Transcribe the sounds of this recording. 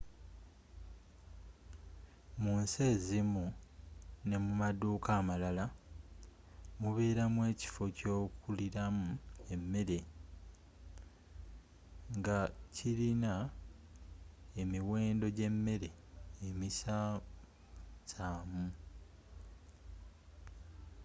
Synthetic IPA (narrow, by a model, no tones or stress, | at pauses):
munse̞ːzimu | ne̞mumaduːkaːmalala | muβeːɾamwe̞ːci̥fo̞co̞ːkuliɾamue̞mːe̞ɾe̞ | ŋɡacilina | e̞miwe̞ːndo̞ɟe̞mːe̞ɾe̞ː | misa | saːmu